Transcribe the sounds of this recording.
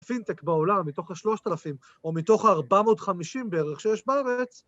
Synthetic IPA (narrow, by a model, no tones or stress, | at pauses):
fint̪e̞kbeo̞lamːit̪o̞χhaʃlo̞ʃt̪alafim | omit̪o̞χaːʁbamo̞dχamiʃimbeeʁeχʃejɛʃbaaʁet͡s